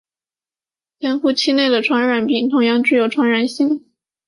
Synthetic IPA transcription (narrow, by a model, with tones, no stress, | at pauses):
t͡ɕjɛ˥nxu˥˧t͡ɕʰi˥ne˥˩ɪd̪ə˩ʈ͡ʂʰwa˧˥nɻa˨˩npi˥˩ŋt̪ʰʊ˧˥ŋjɑ˥˧ŋʈ͡ʂɻ̩˥˩jo˨˩ʊʈ͡ʂʰwa˧˥nɻa˨˩nɕi˥ŋ